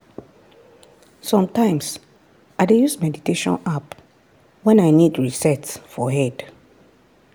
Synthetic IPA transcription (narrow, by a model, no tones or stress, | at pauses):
sɔ̃mtãɪ̃ms | aɪdejusmɛditeʃɔ̰̃nap | wɛ̃naɪnidɹisɛtfɔɦɛd̥